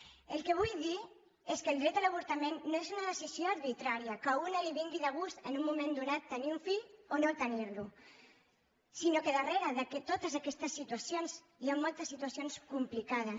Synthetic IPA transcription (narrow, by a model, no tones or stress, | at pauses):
əlˠkəβ̞ujði | eskəːlˠd̪ɾɛt̪d̪əlaβ̞uɾt̪amenːoezunəðəsisjoɐɾβit̪ɾaɾiəkaunəliβiŋɡiðəɣ̞ust̪ənumːumẽnd̪unat̪ːəniuɱfiʎonot̪əniɾlu | sinokəðəreɾəðəket̪ot̪əzakɛst̪əsːit̪uɐsjonz | iamːolˠt̪əsːit̪uɐsjonskumplikaðə